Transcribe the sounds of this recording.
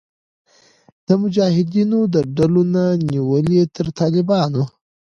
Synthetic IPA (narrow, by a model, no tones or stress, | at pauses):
d̪̥əmʊd͡ʒɑːhɪd̪inod̪əɖalonaniwəlet̪əɾt̪ɑːlɪbɑno